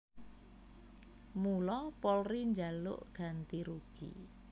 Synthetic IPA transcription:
mulɔpɔlriɲd͡ʒalʊ̰ʔɡ̥ant̪iɾuɡ̥ḭ

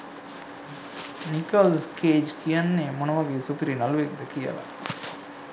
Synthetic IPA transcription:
nikɐlskeːd͡ʒkijɐnːemunɐʋɐɡisupiɾinɐlʋekd̪ɐkijɐ̰la̰

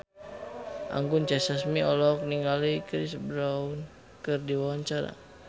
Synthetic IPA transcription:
ʔa̰ŋɡunt͡ʃasasmiɔlɔk̚niŋɡalikɾisbɾaun | kɨrdiwawaɲt͡ʃaɾa̰

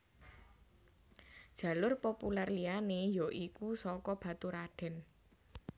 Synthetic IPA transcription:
d̥ʒ̥ä̤lʊrpopularlianejɔʔikusɔkɔb̥ä̤t̪uɾaɖ̥ɛ̤n

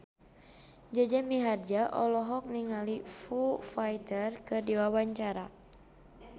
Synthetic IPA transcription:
d͡ʒad͡ʒamiɦard͡ʒaʔɔ̰lɔɦɔk̚niŋalifufajt̪ərkɨdiwawaɲt͡ʃaɾa

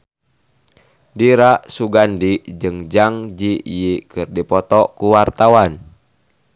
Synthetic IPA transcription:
diɾaʔsuɡandiʔd͡ʒɨŋd͡ʒaŋd͡ʒiʔjikɨrdipɔt̪ɔkuwart̪awan

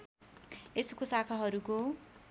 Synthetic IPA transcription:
eskosakʰaɦʌɾuko

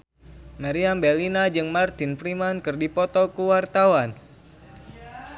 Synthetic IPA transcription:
maɾiambɛlinad͡ʒɨŋmart̪ɪnfɾimankɨrdipɔt̪ɔkuwart̪awan

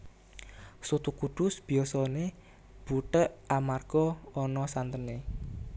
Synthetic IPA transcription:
sut̪ukuɖ̪̥ʊsb̥i̤ɔsɔne | b̥uʈ̪əʔamarɡ̥ɔɔnɔsant̪əne

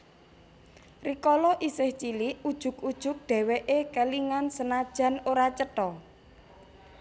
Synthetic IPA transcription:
rikɔlɔʔisɪht͡ʃiliud̥ʒ̥ʊ̤kud̥ʒ̥ʊ̤k̚ɖ̪̥ɛ̤weʔekəliŋansənad̥ʒ̥a̤noɾat͡ʃəʈɔ

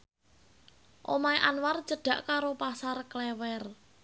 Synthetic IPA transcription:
ʔomaiʔanwart͡ʃəɖ̥ä̤ʔkaɾopasarklɛwɛr

